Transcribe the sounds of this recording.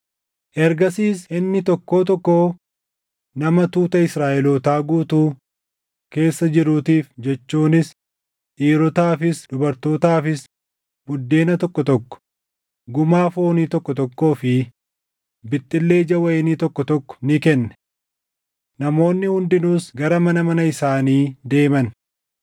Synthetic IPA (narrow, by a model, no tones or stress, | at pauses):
ʔɛɾɡɐsiːsɪnːɪt̪ɔkːo̞ːt̪̬ɔkːoː | nɐmɐt̪uːt̪ɐɪsɾaːʔɛloːt̪aːɡuːt̪uː | ke̞ːsːɐd͡ʒɪɾuːt̪iːfd͡ʒɛt͡ʃːuːnɪs | ʔiːɾɔt̪aːfɪsd̪ʊbɐɾt̪o̞ːt̪aːfɪs | bʊd̪ːe̞ːnɐt̪ɔkːɔt̪ɔkːɔ̥ | ɡʊmaːfo̞ːniːt̪ɔkːɔt̪ɔkːo̞ːfɪ | bɪt̪ʼːɪlːe̞ːd͡ʒɐwɐeniːt̪ɔkːɔt̪ɔkːɔ̥nɪkɛnːɛ̥ | nɐmo̞ːnːɪhʊnd̪ɪnuːsɡɐɾɐmɐnɐmɐnɐɪsaːniːd̪e̞ːmɐn